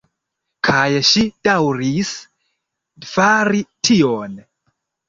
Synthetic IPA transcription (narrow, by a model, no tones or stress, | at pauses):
kʰajʃid̥awɾis | faɾitʰion